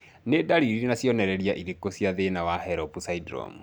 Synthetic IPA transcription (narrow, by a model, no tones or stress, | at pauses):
nedaɾiɾinasjɔnɛɾɛɾiaʔiɾekosjaðenawahɛɾɔpusaidɾɔ̰mu